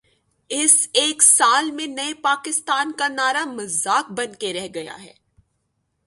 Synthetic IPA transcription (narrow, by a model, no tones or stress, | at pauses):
ɪseːksaːlmẽnɐepaːkɪst̪aːnkanaːɾamɐzːaːk̚bɐ̃nkeɾɛɦɡɐja̰ɦɛ̰ː